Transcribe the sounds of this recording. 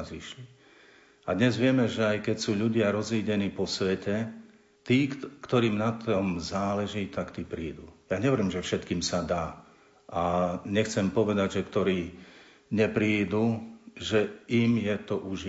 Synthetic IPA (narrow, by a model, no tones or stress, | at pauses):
ziʃli | ad̪ɲɛzʋɪɛmɛʒɛajkɛcsuːʎuɟɪaɾɔziːɟɛniːpɔsʋɛcɛ | t̪iːkt̪ɔɾiːmnat̪ɔmzaːlɛʒiːt̪akt̪iːpɾiːd̪uːjaɲɛʋɛɾiːmʒɛfʃɛt̪kiːmsad̪aː | ʔaɲɛxt͡sɛmpɔʋɛd̪aɟʒɛkt̪ɔɾiː | ɲɛpɾiːd̪uʒɛimjɛt̪ɔʔuʒ